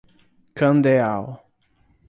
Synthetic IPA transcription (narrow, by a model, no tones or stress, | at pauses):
kɐ̃nd̪eaw